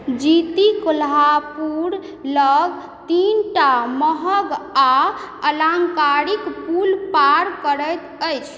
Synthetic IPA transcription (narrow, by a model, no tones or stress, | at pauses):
d͡ʒit̪ikolapuɾ | ləɡ | t̪inʈaməɦəɡa | əlaŋkaɾikpulpaɾkəɾəjt̪əjt͡ʃʰ